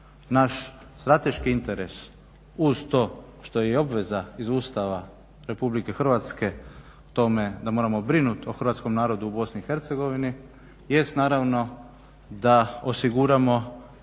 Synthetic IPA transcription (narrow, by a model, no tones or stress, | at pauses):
naʃ | st̪ɾat̪e̞ʃkiint̪e̞ɾe̞s | uzt̪o̞ː | ʃt̪o̞jeo̞bʋe̞zaizuːst̪aʋa | ɾe̞publike̞xr̩ʋat̪ske̞ | t̪o̞me̞d̪amo̞ːɾamo̞bɾinut̪oxɾ̩ʋat̪sko̞mnaːɾo̞d̪uːbo̞sniːxe̞ɾt̪seɡo̞ʋini | je̞st̪naːɾaʋno̞ | d̪aosiɡuɾamo̞